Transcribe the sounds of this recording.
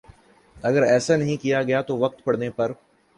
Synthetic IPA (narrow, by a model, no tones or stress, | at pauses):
ɐɡəɾɛːsanɐɦĩkijaɡɐjat̪oʋɐk̚t̪pɐɽ̤nepɐɾ